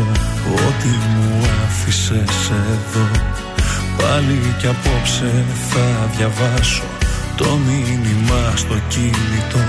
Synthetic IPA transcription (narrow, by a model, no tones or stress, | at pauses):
ot̪imuɐfise̞se̞ðo̞ | pɐlicɐpo̞pseθɐðʝɐvɐso̞t̪o̞minimɐst̪o̞cinit̪o̞